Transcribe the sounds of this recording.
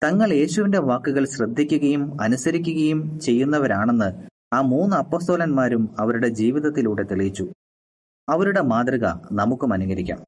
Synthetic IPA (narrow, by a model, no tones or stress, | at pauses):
t̪ɐŋːɐɭje̞ːɕuʋinde̞ʋaːkːuɣɐɭɕrɐd̪ʱːikʲːuɣɐjumɐnusɐɾikʲːuɣɐjumt͡ɕe̞jːunːɐʋɐɾaːɳe̞nːɨ | aːmuːnːɨɐpːo̞ːst̪o̞ːlɐnmaːɾumɐʋɐɾuɽe̞d͡ʑiːʋiðɐt̪ːiluːɽe̞t̪iɭijit͡ɕːu | ɐʋɐɾuɽe̞maːd̪rɐɣɐ̰nɐmukːumɐnuɣɐɾikʲːa̰ːm